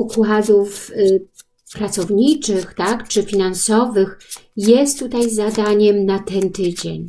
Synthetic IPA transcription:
ukwad̪uf | pɾat̪sɔvɲit͡ʂɘxt̪akt͡ʂɘfʲinansɔvɘx | jɛst̪ːut̪ajzad̪aɲɛmnat̪ɛnt̪ɘd͡ʑḛɲ

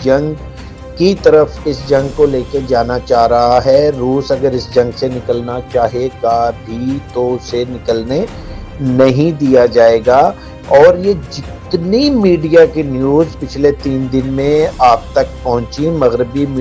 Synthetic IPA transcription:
d͡ʒɐ̃ŋɡ | kit̪ɐɾəfɪsd͡ʒɐ̃ŋɡkoleːked͡ʒaːnat͡ʃaːɦɾɐɦaɦɛɾuːsɐɡəɾɪsd͡ʒɐ̃ŋɡsenɪkəlnat͡ʃaːɦeɡabʱit̪osenɪkəlne | nɐɦĩd̪ijad͡ʒaːeːɡaː | ɔːɾjed͡ʒɪt̪nimiːɖijakinjuːzpɪt͡ʃʰlet̪iːnd̪ɪnmẽaːp̚t̪ɐk̚pɐɦʊ̃t͡ʃimɐɣɾɪbim

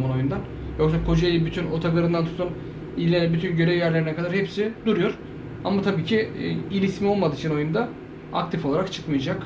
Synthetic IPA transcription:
mono̞jund̪an | jo̞ksakʰo̞d͡ʒajibyt̪ʰynot̪ʰaɡɯɾɯnd̪ant̪ʰu̥t̪ʰun | ilʲːenɛbyt̪ʰynɟø̞ɾevjæɾlʲe̞ɾinɛkʰad̪aɾhepsid̪uɾujo̞ɾ̥ | amat̪ʰabiːcʰiilʲismio̞lˠmad̪ɯːt͡ʃʰino̞jund̪a | a̰kt̪ʰifo̞lˠaɾakt͡ʃʰɯ̥kmɯjd͡ʒak

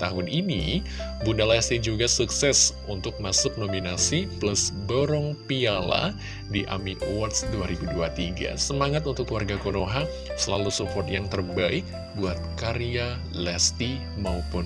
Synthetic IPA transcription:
t̪aɦʊninḭ | bundalɛst̪id͡ʒuɡasuksɛsunt̪ʊk̚masʊp̚nominasipləsboɾɔŋpiala̰ | diʔa̰miʔowat̪sduaɾibuduat̪iɡa̰səmaŋat̪unt̪ʊkluwarɡakonoɦa | səla̰lusupɔrt̪jaŋt̪ərbaɪk̚ | buat̪̚kaɾia | lɛst̪i | maupʊn

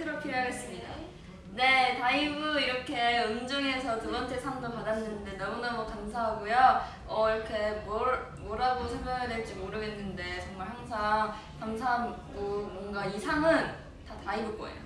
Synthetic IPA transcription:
tʰɯɾopʰiɾjoɦaɡe̞s͈ɯmɲida̰ | ne̞taibɯiɾʌkʰe̞ɯnd͡ʑʌŋe̞sʰʌtubʌnt͡ɕ͈ʰe̞sʰamdopadanːɯnde̞nʌmunɯmwʌkamsʰaɦaɡojo | ʌiɾʌkʰe̞mʌ | mwʌɾaɡosʰʌɭmʌɦaɡjadwe̞ɭt͡ɕ͈imoɾʌɡe̞nːɯnde̞t͡ɕʌŋmaɭhaŋsʰaŋ | kamsʰaɦaɡomwʌŋɡaisʰaŋɯn | tataibɯɡ͈oḛjo̰

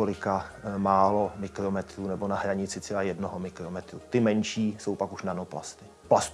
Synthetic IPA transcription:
olɪkamaːlo̞mɪkɾomɛt̪ɾuːnɛbonaɦɾaɲɪt͡sɪt͡sɛlaːjɛdnoɦomɪkɾomɛt̪ɾuːt̪ɪmɛnʃiːso̞wpakuʃnanopla̰st̪ɪ | plast̪

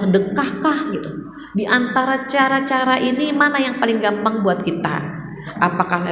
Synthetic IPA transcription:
dəkahkahɡit̪u | diʔant̪aɾat͡ʃaɾat͡ʃaɾaʔinimanajaŋpalɪŋɡampaŋbuat̪̚kit̪a̰ | ʔapakah

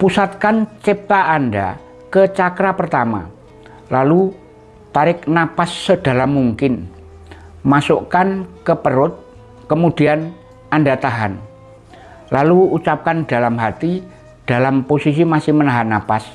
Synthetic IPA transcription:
pusat̪̚kant͡ʃɛp̚t̪aanda̰ | kət͡ʃakɾapərt̪ama̰ | lalu | t̪aɾɪknapasːəd̥a̤lamːuŋkɪn | masokankəpəɾʊt̪̚ | kəmud̥ian | andat̪aɦan | laluut͡ʃap̚kandalamɦat̪i | d̥alamposisimasɪhmənaɦanapas

